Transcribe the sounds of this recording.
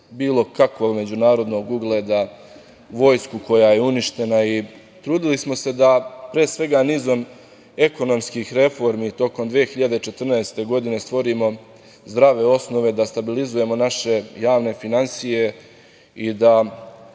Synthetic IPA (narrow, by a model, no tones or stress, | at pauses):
biːlo̞kakʋo̞ɡme̞d͡ʑunaːɾo̞d̪no̞ɡuɡlˠed̪a | ʋo̞jskuko̞jajeuniʃt̪e̞nai | t̪ɾuːd̪ilismo̞se̞d̪apɾeːsʋe̞ɡaniːzo̞m | e̞ko̞no̞mskixɾe̞fo̞ɾmit̪o̞ko̞md̪ʋeexiʎad̪e̞t͡ʃe̞t̪r̩nɛest̪e̞ɡo̞d̪ine̞st̪ʋo̞ɾiːmo̞ | zd̪ɾaʋe̞o̞sno̞ʋe̞d̪ast̪abilizuje̞mo̞naʃe̞jaːʋne̞finansije̞ | id̪a